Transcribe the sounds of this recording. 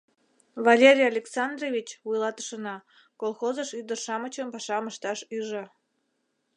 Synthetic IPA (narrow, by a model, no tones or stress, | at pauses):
βalʲeɾʲijalʲeksɑnd̪rovʲit͡ɕβujlˠɑt̪ə̥ʃənɑ | kolˠxozəʃyd̪ərʃɑmət͡ɕəmpɑʃɑməʃt̪ɑʃyʒə̆